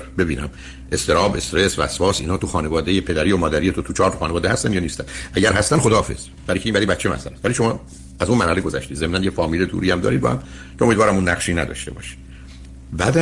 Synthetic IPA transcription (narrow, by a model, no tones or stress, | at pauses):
be̞biːnæ̰m | est̪e̞ɾɒːbe̞st̪ɾesvæ̰svɒːsḭːnɒːt̪ʰuxɒːnevɒːd̪ejepʰe̞d̪æɾiːomɒːd̪æɾijet̪ʰot̪ʰut͡ʃʰɒːɾt̪oxɒːnevɒːd̪ehæst̪ænjɒːniːst̪ænʔæɟæɾɦæst̪ænxoɒːfe̞̰z̥ | bæɾiːcʰeiːmbæd̪ibæt̪t͡ʃʰːemæ̰sælæst̪væliːʃo̞mɒ | æzunmæɾhæleɡo̞zæ̰ʃt̪iːd̪zemnænjefɒːmiːled̪ṵːɾiːæmd̪ɒ̰ɾid̪̚bɒ̰ːhæ̰m | cʰeomiːd̪vɒːɾæmunːæɣʃiːnæd̪ɒ̰ʃt̪e̞bɒ̰ːʃi̥ | bæd̪æ